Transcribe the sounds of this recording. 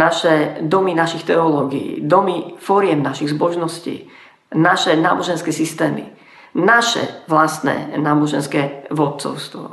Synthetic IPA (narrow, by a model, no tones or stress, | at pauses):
naʃɛd̪ɔminaʃixt̪ɛɔlɔːɡiḭːd̪ɔmifɔɾɪɛmnaʃiɣzbɔʒnɔscḭː | naʃɛna̰ːbɔʒɛnskɛːsist̪ɛːmḭ | naʃɛ̰ʋlast̪nɛ̰naːbɔʒɛnskɛʋɔt̪̚t͡sɔ̰ʊst̪ʋɔ̰